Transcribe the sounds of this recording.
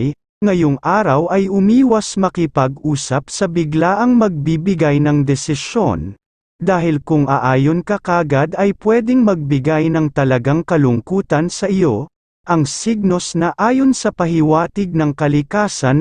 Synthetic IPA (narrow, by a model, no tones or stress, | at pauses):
j | ŋɐjoŋʔaːɾɐwɐjʊmiːwɐsmɐkɪpɐɡʔuːsɐpsɐbɪɡlaʔɐŋmɐɡ̚bibɪɡajnɐŋd̪ɛsɪʃjo̞̰n | d̪aːɦɪlkʊŋʔɐʔaːjonkɐkaːɡad̪ɐjpwɛːd̪ɪŋmɐɡ̚bɪɡajnɐŋt̪ɐlɐɡaŋkɐlʊŋkuːt̪ɐnsɐʔɪjo | ʔɐŋsiɡ̚no̞snɐʔaːjo̞nsɐpɐɦɪwaːt̪ɪɡ̚nɐŋkɐlɪkaːsɐn